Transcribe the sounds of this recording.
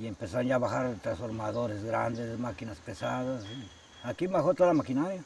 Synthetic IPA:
iempesanjaβaxaɾt̪ɾansfoɾmaðoɾezɡɾa̰nd̪esmakinaspesaðasi | akimaxot̪alamakinaɾja

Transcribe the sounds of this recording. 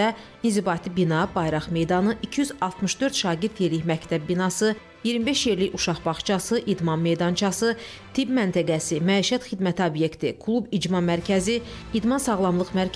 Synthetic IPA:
æ | inzibɑt̪ʰibinɑbɑjɾɑχme̞jd̪ɑnɯicʰiyzɑlˠt̪mɯʃd̪øɾt̪ʃɑːɡiɾt̪jeɾliçmæct̪ʰæb̚ːinɑsɯ | jiɾmibe̞ʃjeɾliçuʃɑχbɑχt͡ʃʰɑsɯʔid̪mɑmme̞jd̪ɑnt͡ʃʰɑsɯ | t̪ʰibmænt̪ʰæɡæsimæiʃæt̪χid̪mæt̪ʰiobje̞kt̪ʰikʰlˠubid͡ʒmɑmæɾcʰæziːd̪mɑnsɑɣlˠɑmlˠɯχmæɾ

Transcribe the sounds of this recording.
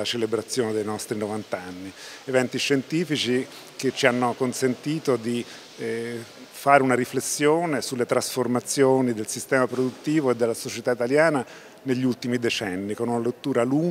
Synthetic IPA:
at͡ʃelebɾat̪sːjoːned̪ejnɔst̪ɾinovant̪anːievɛnt̪iʃːent̪iːfit͡ʃi | ket͡ʃːianːokonsent̪iːt̪od̪i | faːɾeunaɾiflesːjoːnesulːet̪ɾasformat̪sːjoːnid̪elsist̪ɛːmapɾod̪ut̪ːiːvoed̪ːelːasot͡ʃet̪ait̪aljaːna | neʎːult̪imid̪et͡ʃɛnːikonunalet̪ːuːɾaluŋ

